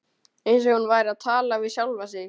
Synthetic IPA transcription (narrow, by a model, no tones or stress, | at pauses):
ejns̬ɔunvaːjɾaðt̪ʰaːlavɪðsjawlvas̬ɪ